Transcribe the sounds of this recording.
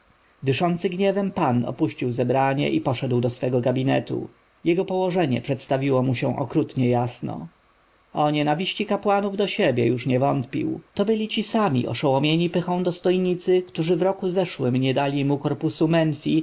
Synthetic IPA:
d̪ɘʂɔnt̪sɘɡɲɛvɛmpanɔ̰puɕt͡ɕiwzɛbɾaɲɛ̰ʔipɔʂɛd̪wd̪ɔsfɛɡɔɡabʲinɛt̪ṵ | jɛɡɔpɔwɔʐɛɲɛpʂɛt̪st̪avʲiwɔmuɕɛ̃ʔɔ̰kɾut̪ɲɛjasnɔ̰ | ɔɲɛnavʲiɕt͡ɕikapwanuvd̪ɔɕebʲjɛjuʂɲɛvɔnt̪pʲḭwt̪ɔbɘlʲit͡ɕisamʲḭʔɔ̰ʂɔwɔmʲjeɲipɘxɔ̃w̃d̪ɔst̪ɔjɲit̪sɘkt̪uʐɘvɾɔkuzɛʂwɘmɲɛd̪alʲimukɔɾpusumɛnfʲi

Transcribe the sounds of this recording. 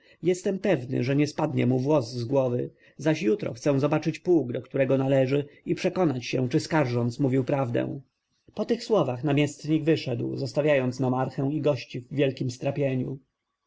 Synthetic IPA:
jɛst̪ɛmpɛvnɘ̰ʐɛɲɛspad̪ɲɛmuvwɔzːɡwɔvɘ | zaɕjut̪ɾɔ̰xt̪sɛw̃zɔbat͡ʂɘt͡ɕpuːɡd̪ɔkt̪uɾɛɡɔnalɛʐɘipʂɛkɔnat͡ɕɕɛ̃t͡ʂɘskaɾʐɔnt̪smuvʲiwpɾavd̪ɛ̰̃w̃ | pɔt̪ɘxswɔvaxnamʲjɛst̪ɲiɡvɘʂɛd̪wzɔst̪avʲjajɔnt̪snɔmaɾxɛw̃iɡɔɕt͡ɕivːʲjɛlkʲimst̪ɾapʲjeɲṵ

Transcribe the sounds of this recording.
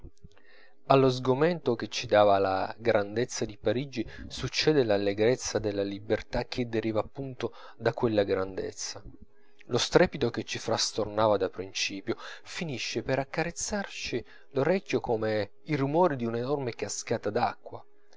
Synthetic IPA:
alːozɡoment̪ok̟et͡ʃːid̪aːvala̰ɡɾand̪et̪sːad̪ipaɾid͡ʒisut͡ʃːɛːd̪elalːeɡɾet̪sːad̪elːalibert̪ak̟ʰːed̪ːeɾiːvaːpːunt̪o | d̪akwelːaɡɾand̪ḛt̪sːa | lost̪ɾɛːpit̪oket͡ʃːifɾast̪ornaːvad̪apɾint͡ʃiːpjofiniʃːepeɾakːaɾet̪sːart͡ʃi | loɾɛkʲːjokome | irumɔːɾid̪iunenormekaskaːt̪ad̪akːwa̰

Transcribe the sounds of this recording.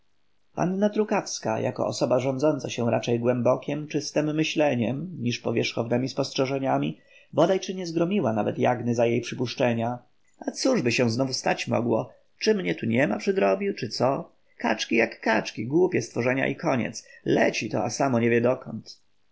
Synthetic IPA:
pa̰nːat̪ɾukafska̰jʔa̰kɔ̰ɔsɔbaʐɔnd̪zɔnt̪saɕɛ̃ɾat͡ʂɛjɡwɛmbɔkʲɛmt͡ʂɘst̪ɛmːɘɕlɛɲɛmɲiʂpɔvʲjɛʂxɔvnɛmʲispɔstʂɛʐɛɲamʲi | bɔd̪ajt͡ʂɘɲɛzɡɾɔmʲiwanavɛt̪ja̰ɡnɘzajejpʂɘpuʂt͡ʂɛɲa | at̪suʐbɘɕɛw̃znɔvust̪at͡ɕmɔ̰ɡwɔ | t͡ʂɘmɲɛt̪uɲɛmapʂɨd̪ɾɔbʲiwt͡ʂɘt̪sɔ | kat͡ʂkʲijakːat͡ʂkʲiɡwupʲjɛst̪fɔʐɛɲa̰ʔikɔɲɛ̰t̪slɛt͡ɕit̪ɔ̰asamɔɲɛvʲjɛd̪ɔkɔnt̪

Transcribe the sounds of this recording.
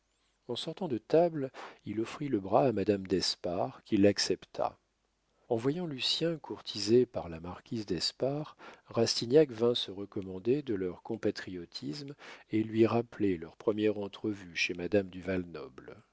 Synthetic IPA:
ɑ̃sɔʁt̪ɑ̃d̪ət̪ablilɔfχiləbʁaːmad̪amd̪ɛspaʁkʲilaksɛpt̪ʰa̰ | ɑ̃vwajɑ̃lysjɛ̃kuʁt̪ʰizepaʁlamaʁkʲizd̪ɛspaʁʁast̪injakvɛ̃səʁəkɔmɑ̃d̪ed̪əlœʁkɔ̃pat̪χiɔt̪ʰismelɥiʁaplelœʁpχəmjɛʁɑ̃t̪χəvyʃemad̪amd̪yvalnɔbl

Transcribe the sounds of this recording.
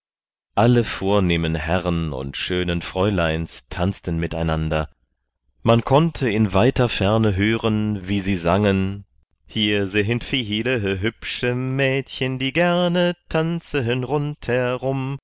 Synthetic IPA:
ʔaləfoːɐneːmənɦɛʁənʊ̰ntʃøːnənfʁ̥ɔʏlaɪnstʰant͡stənmɪta̰ɪnandɐ | mankʰɔntʰəɪnvaɪtɐfɛɐnəɦøːʁənviːziːzaŋən | hiːɐzeɦəntfiːɦiːləɦəɦʏpʃəmɛːtçəndiːɡɛɐnətʰant͡səɦənʁʊnthɛɐʁʊm

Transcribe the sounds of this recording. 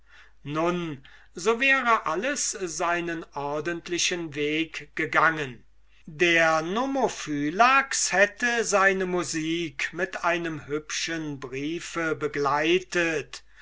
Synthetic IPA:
nʊn | zoːvɛːʁəʔaləszaɪnənʔɔɐdəntʰlɪʃənveːkɡ̥əɡaŋən | deːɐnomofyːlakshɛtəzaɪnəmuziːkmɪtʔaɪnəmɦʏpʃənbʁiːfəbəɡlaɪtət

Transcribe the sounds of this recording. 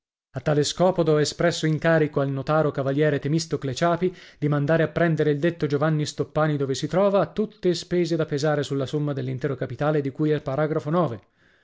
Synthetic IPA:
at̪ːaːleskɔːpod̪oɛespɾɛsːoiŋkaːɾikoalnot̪aːɾokavaljɛːɾet̪emist̪oklet͡ʃaːpid̪̥imand̪aːɾeapːɾɛnd̪eɾeild̪et̪ːod͡ʒovanːist̪opːaːnid̪oːvesit̪ɾɔːvaːt̪ːut̪ːespeːzed̪apezaːɾesulːasomːad̪elːint̪ɛːɾokapit̪aːled̪ikujɛpːaɾaːɡɾafonɔːve

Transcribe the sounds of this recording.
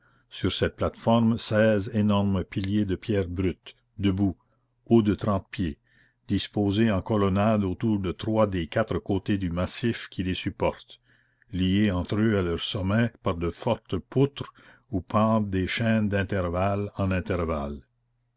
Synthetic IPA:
syʁsɛt̪̚plat̪fɔʁmsɛːzenɔʁməpiljed̪əpjɛːʁbɾyt̪ | d̪əbu | od̪ət̪ɾɑ̃t̪̚pje | d̪ispoːzeɑ̃kɔlɔnad̪ot̪uːʁd̪ət̪ɾwad̪ekat̪ɾəkot̪ed̪ymasifkʲʰilesypɔʁt̪ | lijeɑ̃t̪ɾøalœʁsɔmɛpaʁd̪əfɔʁt̪pʰut̪ɾ | upʰɑ̃ːd̪d̪eʃɛ̃nd̪ɛ̃t̪ɛʁvalɑ̃nɛ̃t̪ɛʁval

